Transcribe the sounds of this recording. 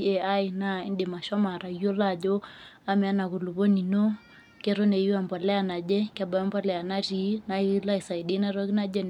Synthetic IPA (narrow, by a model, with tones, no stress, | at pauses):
ɛ˨a˦i˨na˦ḭ˦ndi˨ma˨ʃɔ˦ma˨ɾa˨io˦la˦˨d͡ʒɔ˦ | a˦mɛ˨a˦na˨ku˨lu˨βɔ˦ni˨nɔ˦ | kɛ˦ɾɔ˦nɛ˨u˦a˨mbɔ˨lɛ˦a˨na˨d͡ʒɛ˦kɛ˨ɓa˨jɔ˦mbɔ˦lɛ˨a˨na˦ri˨˦na˨i˦la˦i˨sa˨i˨ɗi˦na˦ɾɔ˦ki˦na˦d͡ʒɛ˦n